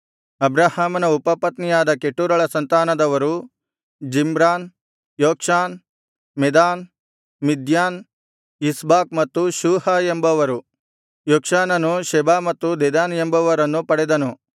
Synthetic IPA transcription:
ɐbɾaːhaːmɐnɐupɐpɐt̪nijaːd̪ɐkeʈːuɾɐɭɐsɐnt̪aːnɐd̪ɐʋɐɾu | d͡ʒimɾaːn | joːkʂaːn | mɛd̪aːn | mid̪jaːn | isbaːk̚mɐt̪ːuʃuːhɐembɐʋɐɾu | joːkʂaːnɐnuʃɛbaːmɐt̪ːud̪ɛd̪aːnembɐʋɐɾɐnːupɐɽɛd̪ɐnu

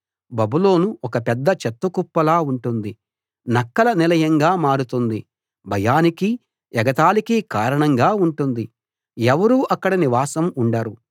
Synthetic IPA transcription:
bɐbulo̞ːnuɔkɐpɛd̪ːɐt͡ʃɛt̪ːukupːɐlaːuɳʈund̪i | nɐkːɐlɐnilɐjɐŋɡaːmaːɾut̪und̪i | bʱɐjaːniki | jɛɡɐt̪aːlikikaːɾɐɳɐŋɡaːuɳʈund̪i | ɛʋɐɾuːʔɐkːɐɽɐniʋaːsɐmuɳɖaːɾu

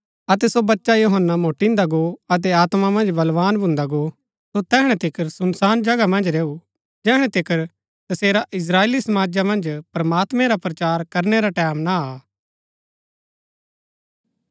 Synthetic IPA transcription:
ɐt̪̬ɛsobɐtːʃajoɦənːamoːʈĩnd̪aɡoɐt̪̬ɛaːt̪mamɐ̃nd͡ʒbɐlʋaːnbʱʊ̃nd̪aɡo | sot̪ɛːɦɽ̃ɛ̃t̪ʰɪkʰəɾsʊnsaːnd͡ʒɐɡamɐ̃nd͡ʒɾeːu | d͡ʒɛːɽ̃ɛ̃t̪ɪkəɾ | t̪ɐseːɾaʔɪs̬ɾaːeːlisɐmaːd͡ʒamɐ̃nd͡ʒpɾɐmaːt̪mẽɾapɾɐt͡ʃaːɾkɐɾneɾaʈɛːmnaaː

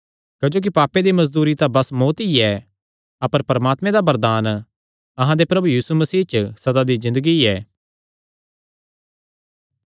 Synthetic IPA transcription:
kɐd͡ʒoːk̬ipaːped̪imɐzd̪uːɾit̪abɐsmoːt̪iɛ | ɐpəɾpɐɾəmaːt̪mẽd̪abɐɾd̪aːn | ɐɦãd̪epɾɐbujiːsumɐsiːɦt͡ʃəsɐd̪ad̪izɪ̃nd̪əɡiɛː

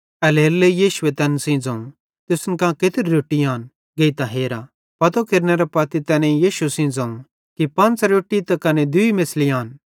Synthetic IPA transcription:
ɐleːlːejiːʃʊet̪ɛːnsĩd͡zɐ̃ | t̪ʊsnkãːket̪ɪɾɾoːʈːiaːn | ɡeit̪ãɦeːɾa | pɐt̪okeɾnɛɾɐpɐt̪it̪ɛːnẽjiːʃusĩd͡zɐ̃ũ | kipɐ̃nt͡sɾoːʈːit̪ɐkɐned̪ʊimesliaːn

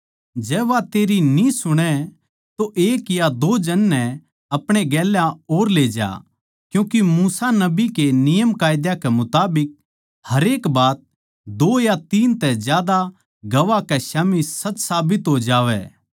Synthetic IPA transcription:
d͡ʒɛːʋat̪eːɾinisʊɽ̃ɛ | t̪oʔeːkjad̪oːd͡ʒɐnːɛ̃ | ɐpɽ̃eɡɛːlãoːɾleːd͡ʒa̰ː | kjũːkimuːsanɐbikenɪjəmkaːjd̪jakɛmʊt̪aːbɪk̚ | hɐɾeːkbaːt̪̚ | d̪oːjat̪iːnt̪ɛd͡ʒjaːd̪a | ɡɐʋakɛʃaːmisɐt͡ʃsaːbɪt̪ɦod͡ʒaːʋɛ̰ː

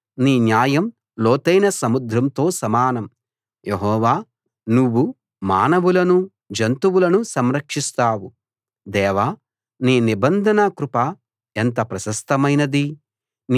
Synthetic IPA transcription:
niːnjaːjɐm | lɔːt̪ɐjnɐsɐmud̪ɾɐmt̪o̞ːsɐmaːnɐm | jeɦɔːʋaː | nuʋːu | ma̰ːnɐʋulɐnu | d͡ʒɐnt̪uwulɐnusɐmɾɐkʂist̪aːwu | d̪ɛːʋaː | niːnibɐnd̪ʱɐnɐkɾupa | ent̪̬ɐpɾɐsɐst̪ɐmɐjnɐd̪i | n

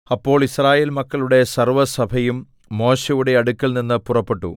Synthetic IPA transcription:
ɐpːo̞ːɭiɕraːje̞ːlmɐkːɐɭuɽe̞sɐrʋɐsɐbʱɐjumː | o̞ːɕɐjuɽe̞ɐɽukʲːɐlninːɨpurɐpːe̞ʈːṵ

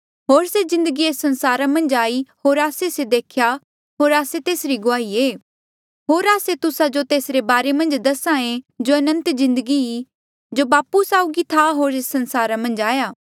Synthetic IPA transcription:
ɦoːɾsezɪ̃nd̪əɡieːsːɐ̃nsaːɾamɐ̃nd͡ʒaːihoːɾaːsesed̪eːkʰja | ɦoːɾaːset̪eːsɾiɡʊaːieː | ɦoːɾaːset̪ʊsad͡ʒot̪eːsɾebaːɾemɐ̃nd͡ʒd̪ɐsãẽd͡ʒoɐnə̃nt̪zɪ̃nd̪əɡii | d͡ʒobaːpusaːuɡit̪ʰaɦoːɾesɐ̃nsaːɾamɐ̃nd͡ʒaːjaː

